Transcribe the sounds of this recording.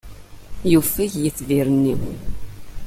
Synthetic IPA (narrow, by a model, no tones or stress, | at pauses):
jufæçjəθːviɾənːi